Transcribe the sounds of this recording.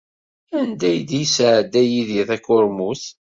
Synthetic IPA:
ænd̪æjd̪jisʕd̪ːæjiðiθækːʊɾmuθ

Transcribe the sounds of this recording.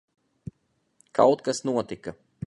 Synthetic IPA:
kʰa̰wt̪kasnuɔt̪ika

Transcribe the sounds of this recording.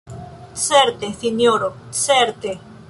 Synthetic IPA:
seɾt̪eθinjoɾo | seɾt̪e

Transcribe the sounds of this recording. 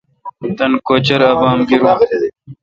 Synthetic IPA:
t̪ɐnkoːt͡ɕɐɾaːbaːmɡiɾu

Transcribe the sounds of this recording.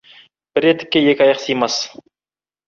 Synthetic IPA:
b̥ɪɾet̪ɪ̥kʲːeje̞kʲɑjɑqsijmɑs

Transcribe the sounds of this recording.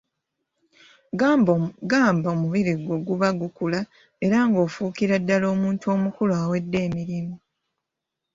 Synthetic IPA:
ɡɡaːmboːmuβiɾiɡwo̞ɡuβaɡukula | e̞ɾaŋɡo̞ːfuːkiɾadːalo̞ːmuːnto̞ːmukulwaːwe̞dːe̞ːmiɾimu

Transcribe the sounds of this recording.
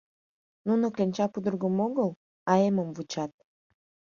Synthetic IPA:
nunoklenʲt͡ɕɑpud̪ərɣəmoɣəl | ɑeməmvut͡ɕɑt̪̚

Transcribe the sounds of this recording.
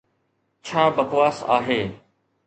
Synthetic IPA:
t͡ɕʰaːbəkʋaːsa̰ːɦeː

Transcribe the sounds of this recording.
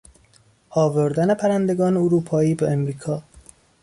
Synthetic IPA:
ɒːvoɾd̪ænepʰæɾænd̪e̞ɡɒːneoɾuːpʰɒːiːbeemɾiːkʰɒː

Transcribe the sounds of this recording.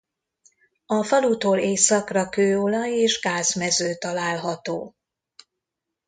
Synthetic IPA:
ɒfɒlut̪oːleːsɒkrɒkøːolɒjeːʒɡaːzmɛzøːt̪ɒlaːlɦɒt̪oː

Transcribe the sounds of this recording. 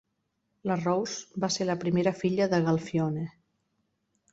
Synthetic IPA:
lərɔwzbaseɾləpɾimeɾəfiʎəðəɣalˠfione

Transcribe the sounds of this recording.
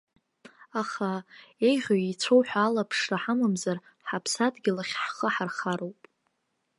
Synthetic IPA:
aχaejʁʲoit͡sʷʰo̞wħaːlapʰʂraħamamzar | ħapʰsadɡʲɪlaχʲħχəħarχaɾowpʼ

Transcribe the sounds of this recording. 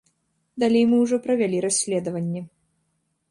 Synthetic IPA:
d̪alʲejmɨwʐɔpɾɐvʲalʲiɾasʲːlʲɛd̪ɐvɐnʲːɛ

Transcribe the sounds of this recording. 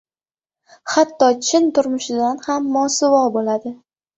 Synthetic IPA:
hat̪ːɒt͡ʃʰɪnt̪ʰʊɾmʊʃɪd̪anhamːɒsʊvɒbolad̪ɪ

